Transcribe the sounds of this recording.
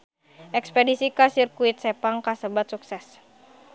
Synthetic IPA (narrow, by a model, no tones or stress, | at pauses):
ʔɛkspɛdisikasirkuit̪̚sɛpaŋkasəbat̪̚suksɛs